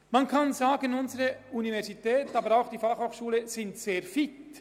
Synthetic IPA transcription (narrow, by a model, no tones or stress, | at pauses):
mɑnkʰɑnzaːɡənʊnzəɾəunivɛʁsitɛːtɑbəɾaʊxd̥iːfɑχhoːχʃuːləsɪntseːɾfɪt